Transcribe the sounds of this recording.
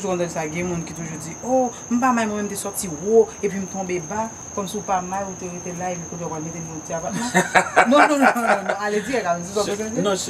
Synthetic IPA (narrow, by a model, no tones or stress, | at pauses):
ʒukɔ̃t̪ãsaɡɛ̃mũnkit̪uʒud͡zio | m̩p̬amajmwɛ̃mɛm̩t̪esɔʁt͡siwoepɥim̩t̪ɔ̃beba | kɔmsiupamajut̪eɣet̪elaepɥikõt̪ẽokalmet̪enɔ̃tiapat̪mãnɔ̃nɔ̃nɔ̃nɔ̃aled͡ziɛkaud͡zikɔ̃kɛsãzinõ